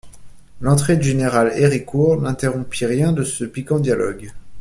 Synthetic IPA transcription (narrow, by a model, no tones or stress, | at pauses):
lɑ̃t̪χed̪ʒeneʁaleʁikuʁnɛ̃t̪eʁɔ̃piʁjɛ̃d̪əsəpikɑ̃d̪jalʔɔɡ